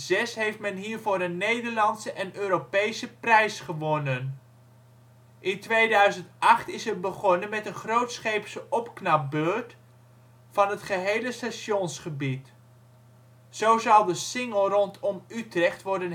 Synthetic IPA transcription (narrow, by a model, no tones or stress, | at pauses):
zɛsɦejftmɛnɦiːɹvoːɾənːejdəɹlɑntsəʔɛnøːɾopejsəprɛjsχəʋɔnən | ʔɪntʋejdœɥzəntʔɑχtɪsərbəχɔnənmɛtənχrowtsχejpsəʔɔpknɑp̚bøɹt | fɑnɦətχəɦejləstaʃɔnsχəbit | z̥owzɑwdəsɪŋəlˠrɔntʰɔmytrɛχtʋɔɹdən